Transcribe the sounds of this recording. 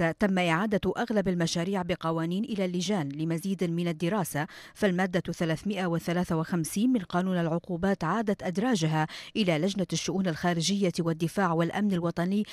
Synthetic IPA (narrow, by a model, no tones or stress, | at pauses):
at̪amːaʔɪʕaːd̪aʔaɣlabalmaʃaːɾiːʕbɪqɑwaːniːnʔɪlaːlːɪd͡ʒaːnlɪmaziːd̪mɪnad̪ːɪɾɑːsa | falmaːd̪ːaθalaːθmɪʔawɪθalaːθawɪxamsiːnmɪnqɑːnuːnalʕʊquːbaːt̪ʕaːd̪at̪ʔad̪ɾˤɑːd͡ʒaɦaʔɪlalad͡ʒnaʃːʊʔuːnalxaːɾɪʒɪjːawad̪ːɪfaːʕwalʔamnalwɑt̪ˤɑnɪjː